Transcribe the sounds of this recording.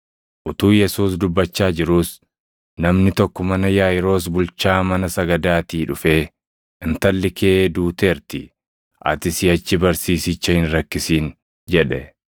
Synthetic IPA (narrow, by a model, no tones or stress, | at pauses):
ʔʊt̪uːjɛsuːs̬d̪ʊbːɐt͡ʃːaːd͡ʒɪɾuːs | nɐmnɪt̪ɔkːɔmɐnɐjaːjɪɾo̞ːs̬bʊlt͡ʃaːmɐnɐsɐɡɐd̪aːt̪iːᶑʊfe̞ː | ɪnt̪ɐlːɪkʰeːd̪uːt̪e̞ːɾt̪ɪ | ʔɐ̰t̪ɪsɪɐt͡ʃːɪbɐɾsiːsɪt͡ʃːɐhɪnɾɐkːɪsiːn | d͡ʒɛᶑɛ